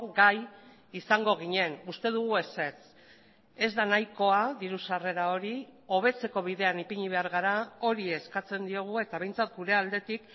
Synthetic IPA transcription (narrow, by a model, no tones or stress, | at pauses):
ɡaj | isaŋɡo̞ɣ̞iɲe̞nust̪e̞ðuɣ̞ue̞se̞t͡s | e̞zd̪anajko̞aðiɾusare̞ɾao̞ɾio̞β̞e̞t͡se̞ko̞β̞iðe̞anipiɲiβe̞aɾɣaɾao̞ɾie̞skat͡se̞nd̪io̞ɣ̞ue̞t̪aβe̞jnt͡sat̪ɡuɾe̞ald̪e̞t̪ik